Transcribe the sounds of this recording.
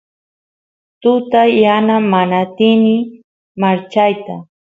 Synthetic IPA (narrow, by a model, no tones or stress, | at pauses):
t̪ʊt̪ajːanamanat̪ɪnɪ | maɾt͡ʃajt̪a